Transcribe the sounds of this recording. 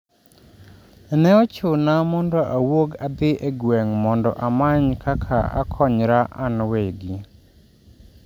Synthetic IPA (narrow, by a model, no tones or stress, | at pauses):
nɛɔt͡ʃʊnamɔndɔʔawoɡad̪ɪʔeɡwɛŋmɔndɔ̰ʔamaɲkʰakʰaa̰kʰɔɲɾaʔanweɡɪ